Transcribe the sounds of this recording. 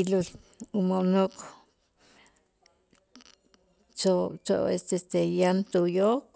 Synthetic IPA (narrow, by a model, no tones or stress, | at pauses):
ilulumonok | t͡ʃot͡ʃo̰ʔest̪est̪ejant̪ujok